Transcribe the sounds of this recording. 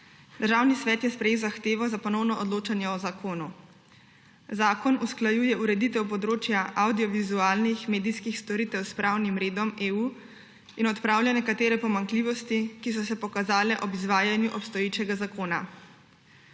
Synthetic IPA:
d̪̥əɾʒawnisʋɛːt̪jɛspɾɛjewzaxt̪eːʋɔzapɔnɔwnɔʔɔd̪loːt͡ʃanjɛɔzakʰoːnu | zaːkɔnusklajuːjɛuɾɛd̪it̪ɛwpɔd̪ɾoːt͡ʃjaʔawd̪iɔʋizuaːlnixmeːd̪ijskixst̪ɔɾiːt̪ɛwspɾʔawnimɾeːd̪ɔmeːuː | inɔt̪pɾaːwljanɛkat̪eːɾɛpɔmaŋkliːʋɔst̪ikis̬ɔsɛpɔkazaːlɛʔɔbizʋaːjanjuʔɔpst̪ɔjeːt͡ʃɛɡazakoːna

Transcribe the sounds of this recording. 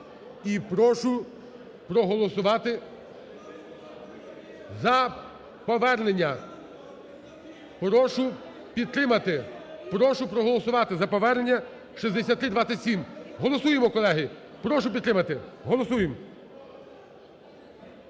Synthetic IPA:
ipɾɔʃʊ | pɾɔɦɔlˠɔsʊʋɑt̪ɪ | zɐ | pɔʋɛrnenʲːɐ | pɾɔʃʊ | pʲid̪t̪ɾɪmɐt̪ɪpɾɔʃʊpɾɔɦɔlˠɔsʊʋɑt̪ɪzɐpɔʋɛrnenʲːɐ | ʃizʲd̪esʲat̪ːɾɪd̪ʋɑt̪sʲɪtʲsʲimɦɔlˠɔsujemɔkɔlˠɛɦɪ | pɾɔʃʊpʲid̪ɾɪmɐt̪ɪɦɔlˠɔsujem

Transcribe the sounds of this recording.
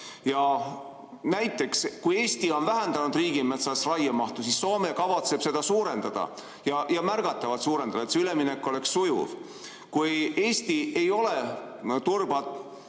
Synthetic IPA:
jɑ | næjt̪ːˑe̞kskuje̞ːst̪io̞nvæɦend̪̥ɑnud̪riːɡ̥ime̞t̪sɑsrɑjɑmɑht̪usisːo̞ːme̞kɑvɑt̪se̞b̥se̞d̪̥ɑsuːɾe̞nd̪̥ɑd̪̥ɑ̰ | jɑjɑmærɡ̥ɑt̪ːˑɑvɑt̪suːɾe̞nd̪ɑd̪ɑet̪seyle̞minekːˑuo̞le̞ksːujṵv̥ | kuje̞ːsʲt̪ie̞jo̞le | t̪urb̥ɑt̪ˑ

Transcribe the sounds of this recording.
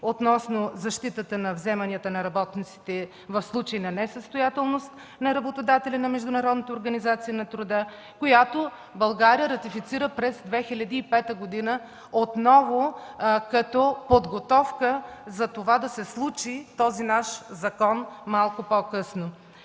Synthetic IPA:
ot̪nɔsnozɐʃt̪it̪ət̪ənɐvzɛmɐniət̪ənɐɾɐbɔt̪nit̪si̥t̪ɛ | vɐfslˠut͡ʃəinɐnɛsəst̪ojat̪ɛlˠnost̪ | nɐɾɐbot̪od̪at̪ɛlʲɐnɐmɛʒd̪ʊnɐɾɔd̪nət̪əoɾɡɐnizat̪sijənɐt̪ɾʊd̪ə | kojat̪o | bɐlˠɡaɾijəɾɐt̪ifit̪siɾəpɾɛzd̪vɛxilʲɐd̪iːpɛt̪əɡod̪inə | ot̪nɔvokɐt̪ɔpod̪ɡot̪ɔfkəzɐt̪ovad̪ɐsɛslˠut͡ʃit̪ɔzinaʃzɐkɔnmalˠkʊpokɤsno

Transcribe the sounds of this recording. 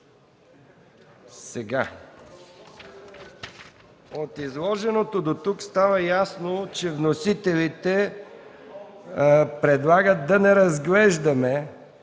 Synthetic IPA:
sɛɡa | ot̪izlˠɔʒɛnot̪od̪ot̪ukst̪avəjasnot͡ʃɛvnosit̪ɛlit̪ɛ | pɾɛd̪lˠaɡət̪̚d̪ɐnɛɾɐzɡlɛʒd̪ɐmɛ

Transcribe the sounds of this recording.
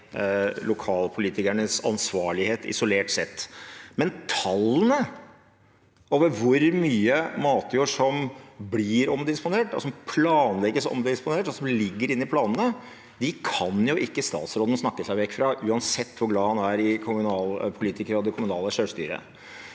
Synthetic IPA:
lʊkʰɑːlpʰʊliːt̪ɪkæɳəsɑ̰nsʋɑːɭɪheːt̪ɪ̰sʊleːʈsɛt̪ːmɛnt̪ʰɑlːənə | oːʋəɾʋʊɾmyːəmɑːt̪juːʂɔmblɪɾɔmd̪ɪspʊneːʈɔ̰sɔmpʰlɑːnlɛɡəsɔ̰md̪ɛɪspʊneːʈɔsɔmlɪɡːəɾɪnːɪpʰlɑːnənə | d̪ɪkʰɑnjʊʔɪkːəst̪ɑ̰ːt̪sɾoːd̪ən̩snɑkːəsæɪʋɛkːfɾɑʔʉːɑnsɛt̪ːʋʊɾɡlɑːhɑnæɾɪkʰʊmʉnɑːlpʰʊliːt̪ɪkəɾəɔd̪ɛkʰʊmʉnɑːləʂøːʂst̪y̰ːɾə̰

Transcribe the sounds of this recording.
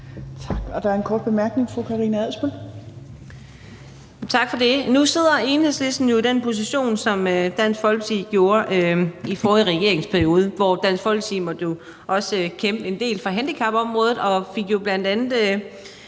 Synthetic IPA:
t͡sʰɑ̈ɡ̥ɒd̥ɑ̈æɐenkʰɒːd̥̚b̥e̝mæɐɡ̥ne̝ŋfʁokʰɑ̈ʁiːnəæð̰ˠsb̥el | t͡sʰɑ̈ɡ̥fɒ̽d̥e̝nuse̝ð̞̰ˠɐe̝nhesle̝sd̥n̩jo̝id̥enpʰo̝s̬iɕo̝̰ːnsɒ̽mød̥æn̰sfɒ̽lɡ̥t͡sʰḭɡ̥jo̝ːɐʔøifɒːðˠʁɛɡ̥e̝ɐe̝ŋspʰæɐio̝ːð̞ˠəʋɒd̥æn̰sfɒ̽l̰t͡sʰimɒ̽d̥jo̝ | ʔɒ̽skʰemb̥əe̝nd̥e̝̰ːlfʁɑ̈ɦænd̥ikʰɑ̈b̥ɒ̽mʁɔ̽ːð̞ˠð̩ˠɒ̽fe̝ɡ̥jo̝b̥læn̰d̥ænð̩ˠ

